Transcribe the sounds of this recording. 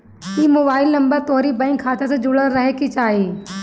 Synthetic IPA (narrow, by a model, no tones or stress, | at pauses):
iːmoːbaːɪlnɐ̃mbəɾt̪oːɾibɐ̃ɪŋkʰːaːt̪ʰesẽd͡ʑʊɽəɾɐɦekʰit͡ɕaːɦiː